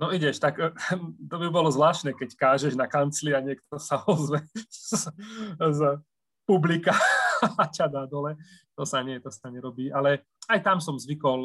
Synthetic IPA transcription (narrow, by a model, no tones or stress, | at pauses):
nɔiɟɛʃt̪akt̪ɔbibɔlɔzʋlaːʃnɛkɛckaːʒɛʒnakant͡sliaɲɪɛk̚t̪ɔsaɔzʋɛz | z | publikaacad̪ad̪ɔlɛ | t̪ɔsaɲɪɛt̪ɔsaɲɛɾɔbiːʔalɛ | ajt̪amsɔmzʋikɔl